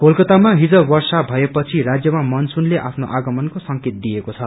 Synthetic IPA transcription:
kolkʌt̪amaɦid͡zʌwʌrsabʱʌepʌt͡sʰiɾad͡zjʌmamʌnsunleʔapʰnoʔaɡʌmʌnkosʌŋket̪̚d̪ijekot͡sʰʌ

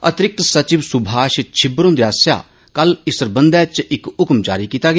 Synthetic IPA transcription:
ət̪ɾɪk̚t̪sət͡ʃɪʋsʊbʱaːʃt͡ʃʰɪbɾõnd̪jaːsja̰ː | kəlɪsəɾbənd̪ɛːt͡ʃɪkʊkmd͡ʒa̰ːɾiːkiːt̪aːɡ

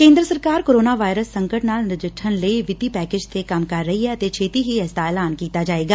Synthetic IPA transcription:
kẽːnd̪ɾəsəɾkaːɾkoːɾoːnaːʋaːɪɾəsːəŋkəʈnaːlnɪd͡ʒɪʈʰːənləiʋɪt̪iːpɛːkeːd͡ʒt̪ʰeːkəmkəɾːəɦiːɛːt̪eːt͡ʃʰeːt̪iːɦiːɛːsd̪aːɛːlaːnkiːt̪aːd͡ʒaːeːɡaː

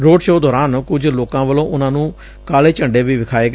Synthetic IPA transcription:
ɾoːɖʃoːd̪ɔːɾaːnkʊd͡ʒloːkãːʋəlõːʔʊnãːnũː | kaːleːt͡ʃəɳɖeːʋiːʋɪkʰaːeːɡ

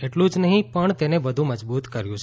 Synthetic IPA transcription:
eʈlũd͡ʒnəɦĩpəɳt̪eneʋəd̪ʱũməd͡ʒbut̪kəɾjũt͡ʃʰ

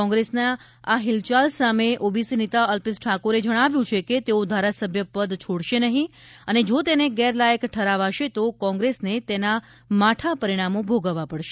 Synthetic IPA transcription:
ɔ̃ŋɡɾesna | aɦɪlt͡ʃalsameʔobisinet̪aəlpisʈʰakoɾed͡ʒəɽ̃aʋjũt͡ʃʰeket̪eod̪ʱaɾasəbʱjəpəd̪t͡ʃʰoɽʃenəɦĩəned͡ʒot̪eneɡɛɾlajəkʈʰəɾaʋaʃet̪okɔ̃ŋɡɾesnet̪ena | maʈʰapəɾiɽ̃amobʱoɡəʋapəɽʃe̥

